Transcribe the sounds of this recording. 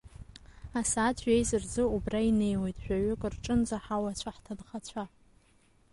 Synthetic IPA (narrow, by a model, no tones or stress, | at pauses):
asaːtʰɥejzɨrd͡zɨubraine̞jwe̞jtʼʃᶣʷaɥʊkʼɨrʈ͡ʂʼɨnd͡zaħawat͡ɕʷʰaħtʰadχat͡ɕʷʰa